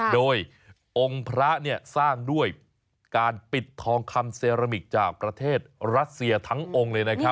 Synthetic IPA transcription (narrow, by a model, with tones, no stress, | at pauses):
doː˧j | ʔo˧ŋpʰɾa˦˥ni˥˩ɐsaː˥˩ŋdu˥˩əj | kaː˧npi˨˩t̪ʰːɔː˧ŋkʰa˧mseː˧ɾa˧mi˨˩t̪̚t͡ɕaː˨˩k̚pɾa˧t̪ʰeː˥˩t̪̚ɾa˦˥t̪̚si˧ɐt̪ʰa˦˥ŋʔo˧ŋlɤː˧jna˦˥kʰa˦˥p̚